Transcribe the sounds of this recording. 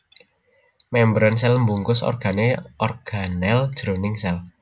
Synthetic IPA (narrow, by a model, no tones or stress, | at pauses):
mɛmbɾəns̬ɛlmbuŋkʊsɔ̰rɡ̥a̤neɔrɡ̥anɛld̥ʒ̥ɾonɪŋsɛl